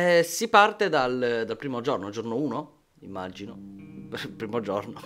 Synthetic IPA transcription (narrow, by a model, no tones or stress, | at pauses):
sipart̪ed̪ald̪alpɾiːmod͡ʒornod͡ʒornouːno | imːad͡ʒino | pɾiːmod͡ʒorno